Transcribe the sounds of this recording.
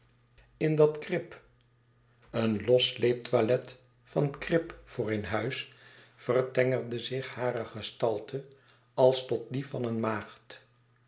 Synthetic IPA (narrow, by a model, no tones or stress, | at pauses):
ɪndɑtkrɪp | ənlɔslejp̚tʋalɛt | fɑnkrɪpfʊːɹenɦœɥs | fərtɛŋərdəzɪχhaːɾəχəstɑlˠtʰə | ɑlˠstɔt̚difɑnənmaːχt